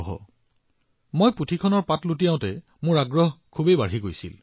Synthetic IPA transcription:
ɦɔ̰ | mojputʰikʰɔnɔɹpatlut̬ijaʊ̃tɛ | mʊɹaɡɹɔɦkʰubejbaɹɦiɡojsḭl

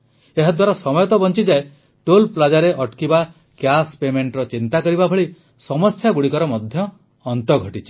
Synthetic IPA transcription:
eɦad̪waɾasɔmɔjɔt̪ɔbɔnt͡ʃid͡ʒae | ʈolplad͡ʒaɾeʔɔʈkiba | kjaspemeɳʈɾɔt͡ʃint̪akɔɾibabʱɔɭi | sɔmɔst̪ʰjaɡuɽikɔɾɔmɔd̪ʱjɔː | nt̪ɔɡʱɔʈit͡ʃʰi̥

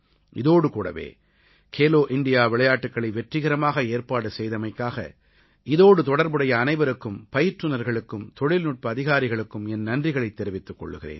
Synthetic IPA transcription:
ʔɪðoːɽɯkuːɽɐ̰ʋḛː | kʰeːloːʔɪɳɖɪjaːʋɪɭɐjaːʈːɯkːɐɭɐʋɛʈrɪɣɪɾɐmaːɣɐeːɾpaːɽɯsɛjðɐmɐɪkːaːɣɐ̰ | ɪðoːɽɯt̪ɔɽɐɾbɯɽɐjɐːnɐɪʋɐɾɯkːɯmpɐjɪʈrɯnɐɾɣɐɭɯkːɯmt̪ɔɭɪlnʊʈ̚pɐːðɪɣaːɾɪɣɐɭɯkːɯmɛnnɐndrɪɣɐɭɐɪt̪ːɛɾɪʋɪt̪ːɯkːɔ̰ɭːɯ̰ɣɪrḛːn

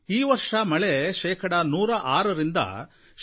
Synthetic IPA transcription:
iːʋɐɾʂɐmɐɭeʃɛːkʰɐɽɐnuːɾɐʔaːɾɐɾind̪ɐ̰ | ʃ

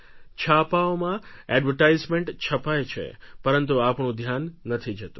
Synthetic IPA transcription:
t͡ʃʰapaomãɛɖʋəʈajzmẽɳʈt͡ʃʰəpajt͡ʃʰḛpəɾənt̪̬uapɳũd̪ʱjanːət̪ʰid͡ʒət̪ũ

